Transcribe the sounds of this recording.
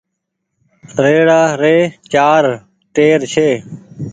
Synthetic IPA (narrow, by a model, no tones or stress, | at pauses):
ɾeːɽaːɾeːt͡ʃaːɾ | ʈeːɾt͡ʃʰeː